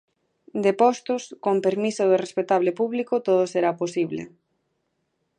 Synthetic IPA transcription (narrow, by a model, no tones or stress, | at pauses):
d̪epɔst̪ʊskompeɾmisoðɪrespet̪aβ̞lepuβlikot̪oð̞oseɾaposiβlḛ